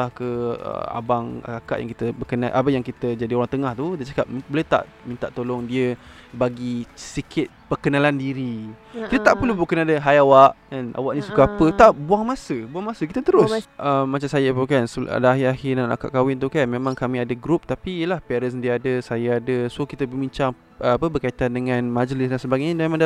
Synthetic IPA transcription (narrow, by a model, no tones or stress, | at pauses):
ahkəə̰a̰baŋa̰akaʔja̰ŋkit̪əbəkənalʔa̰pəjaŋkit̪əd͡ʒadioɾaŋt̪əŋaht̪udat͡ʃakap̚mbələt̪a̰ʔmĩnt̪aʔt̪olɔŋdiəbaɡisikʰɪt̪̚pərkənalandiɾi | kit̪ət̪aʔpəlubukanadəɦajawaʔana̰waʔnĩsukaapət̪aʔbuaŋmasəbuaŋmasəkit̪ət̪əɾʊsʔəmːat͡ʃamsajəapəkansa̰daaɦɪahɪnana̰ka̰ʔkawɪnt̪̬ukanmemãŋkamĩadəɡɾup̚t̪apiːjəlahpɛɾəsdiəadəsajaadəskit̪əbəbiɲt͡ʃaŋ | ʔəapəbərkait̪andəŋãnmad͡ʒəlɪsdansəbaɡajɲadmemaŋda